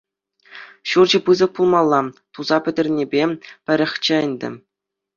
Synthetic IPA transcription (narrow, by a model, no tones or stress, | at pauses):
ɕurd͡ʑɘ̆pɯzɤ̆k̚pulˠmɑlˠːɑt̪uzɑpʲɘ̆dʲɘ̆rʲnʲebʲepʲɘ̆ɾʲɘ̆xʲt͡ɕɘ̆ɘ̆nʲdʲɘ̰̆